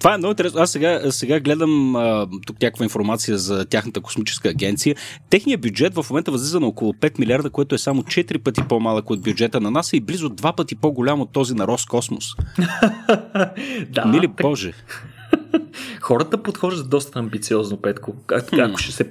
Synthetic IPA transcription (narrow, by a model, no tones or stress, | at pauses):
t̪ovaɛmnɔɡʊinɾɛsnoasːɛɡasɛɡaɡlɛd̪əmət̪uknʲakəkvəinfoɾmat̪sijəzɐt̪ʲjaxnət̪əkoʊ̥smit͡ʃɛ̥skəːɡʲɛnt̪sijət̪ɛxnijəbjud͡ʒɛt̪vəfmomɛnt̪əvɐzlʲizənokolˠʊpɛt̪milʲiaɾd̪əkoɛt̪ʊɛsamʊt͡ʃɛt̪iɾipət̪ipomalˠəkod̪̚bʲjud͡ʒɛt̪ənɐnasɛiblizʊd̪vapət̪ipoɡʊlʲamot̪ːɔzinɐɾɔskɔsmo̰s | d̪amilibɔʒɛ | xɔɾət̪əpot̪xɔʒd̪ət̪d̪ɔst̪əːmbit̪siɔznopɛt̪koakʊ̥ʃɛsɛ